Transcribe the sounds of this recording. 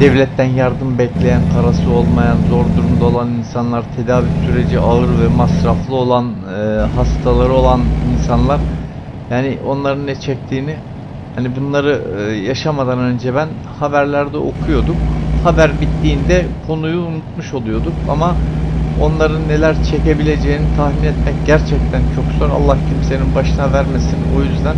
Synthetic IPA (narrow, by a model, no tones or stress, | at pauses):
d̪̥ɛvlʲɛt̪ʰːænjaɾd̪ɯmbɛclʲe̞jænkʰaɾasɯo̞lˠmajanzo̞ɾd̪uɾumd̪aolˠaninsanlˠaɾt̪ʰe̞d̪aːvysyɾe̞d͡ʒiʔaɯɾvɛmasɾaflˠɯo̞lˠanɯɦast̪ʰalˠaɾɯo̞lˠaninsanlˠaɾ̥ | jaːniʔo̞nlˠaɾɯnːɛt͡ʃʰɛc̚t̪ʰiːni | hanibunlˠaɾɯjaʃamad̪anø̞nd͡ʒɛbæn | habæɾlʲæɾd̪ɛʔo̞̰kʰujo̞d̪ukhabæɾbit̪ːiːnd̪ɛkʰo̞nujuːnut̪muʃo̞lˠujo̞d̪uka̰mao̞nlˠaɾɯnːe̞lʲæɾt͡ʃʰe̞ce̞bilʲe̞d͡ʒe̞jinit̪ʰahminɛt̪mɛcɟæɾt͡ʃʰɛc̚t̪ʰænt͡ʃʰo̞kzo̞ɾa̰lˠːahcʰimse̞ninbaʃɯnavæɾme̞sino̞jyzd̪æn